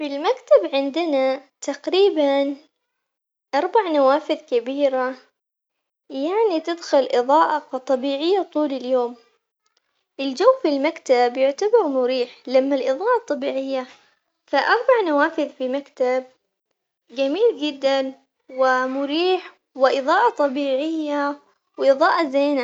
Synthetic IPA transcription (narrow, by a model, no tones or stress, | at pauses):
filmakt̪abʕɪnd̪ɪnat̪aqɾiːban | ʔɑɾˤbaʕnawaːfɪðkabiːɾa | jaʕnit̪ɪd̪xʊlʔɨðˤɑːʔɑfɑt̪ˤːɑbiːʕɪjːat̪ˤuːlɪljoːm | ʔɪld͡ʒawːfilmakt̪abjʊʕt̪abɑɾˤmʊɾiːħlamːalʔɨðˤɑːʔɑt̪ˤːɑbiːʕɪjːa | faʔɑɾˤbaʕnawaːfɪðfimakt̪ab̚ | ɡamiːld͡ʒɪd̪ːan | wɪmʊɾiːħ | wɪʔɨðˤɑːʔɑt̪ˤɑbiːʕɪjːa | wʔɨðˤɑːʔazeːna